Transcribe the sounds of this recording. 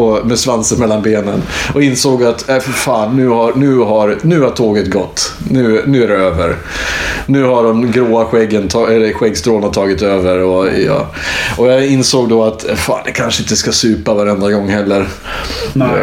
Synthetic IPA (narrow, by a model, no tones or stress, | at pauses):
ɔmɛsvansənmɛlːanbeːnənʔɔɪnsoːɡat̪ɛffaːnːʉ̟ːhanʉ̟ːɦaɾnʉ̟ːhaʈʰoːɡət̪ɡɔt̪ː | nʉ̟ːnʉ̟ːæɾɛøːvəɾ | nʉ̟ːhaɖɔmɡɾoːaɧɛɡːənt̪ʰɑɛlɛɧɛɡst̪ɾoːnat̪ʰɑːɡɪt̪øːvəɾɔjɑ̰ː | ʔɔjɑɪnsoːɡd̪ɔat̪fa̰ːnd̪ɛkʰanʂəɪnt̪əskasʉ̟ːpavaɾɛnd̪ɾaɡɔŋːhɛlːəɾ